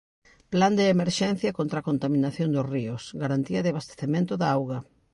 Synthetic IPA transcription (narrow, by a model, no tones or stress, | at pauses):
pland̪eːmeɾʃɛn̟θjɐkont̪ɾakont̪amĩnaθjond̪ʊsriʊsɡaɾant̪iɐðeaβast̪e̥θemẽnt̪ʊðaawɣɐ